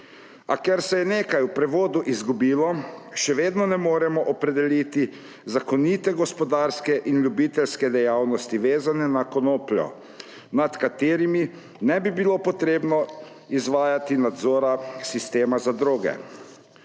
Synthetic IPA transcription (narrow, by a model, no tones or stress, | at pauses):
a̰kɛɾsɛjɛneːkajupɾɛʋoːd̪uʔizɡubiːlɔʃɛʋeːd̪nɔnɛmoːɾɛmɔʔɔpɾɛd̪ɛliːt̪i | zakɔnit̪ɛɡɔspɔd̪aːɾskɛʔinlʲjubiːt̪ɛlskɛd̪ɛjaːwnɔst̪iʋeːzanɛnakɔnoːplʲɔ̰ | nat̪kat̪eːɾimi | nɛbibilopɔt̪ɾeːbnɔ | izʋaːjat̪inad̪zoːɾasist̪eːmazad̪ɾoːɡɛ̰